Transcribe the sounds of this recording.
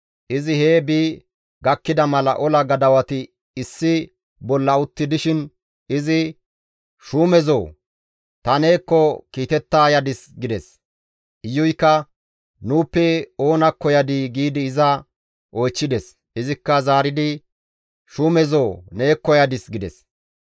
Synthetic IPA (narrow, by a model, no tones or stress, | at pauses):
ʔɪzɪheːbi | ɡɐkːɪd̪ɐmɐlɐ̰ʔɔlɐɡɐd̪ɐwɐt̪ɪ | ɪsːɪ | bɔlːɐʊt̪ːɪd̪ɪʃɪn | ɪzɪ | ʃuːmɛzoː | t̪ɐne̞ːkːɔkiːt̪ɛt̪ːaːjɐd̪ɪsɡɪd̪ɛs | ʔɪjːʊjkːɐ | nuːpːɛo̞ːnɐkːɔjɐd̪iɡiːd̪ɪːzɐ | ʔɔjt͡ʃːɪd̪ɛs | ɪzɪkːɐzaːɾɪd̪ɪ | ʃuːmɛzoːne̞ːkːɔjɐd̪ɪsɡɪd̪ɛ̰s